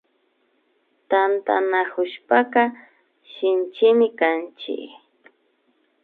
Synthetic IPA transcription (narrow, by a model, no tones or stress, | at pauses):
t̪ant̪a̰nakʊʃpaqɑ | ʃɪnt͡ʃɪmɪkant͡ʃɪ̰k